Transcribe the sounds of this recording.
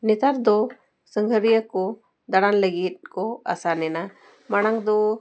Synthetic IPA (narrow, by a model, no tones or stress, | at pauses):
nɛt̪aɾd̪ɔ | səŋɡʱəɾijəkɔ | d̪aɽanləɡit̪̚ˀkɔa̰sanɛna | maɽ̃aŋd̪ɔ